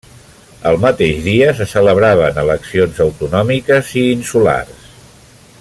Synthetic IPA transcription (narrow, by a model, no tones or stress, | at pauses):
əlˠmət̪eʒðiəsəsələβɾaβ̞ənələksionzəwt̪unɔmikəziːnsula̰rs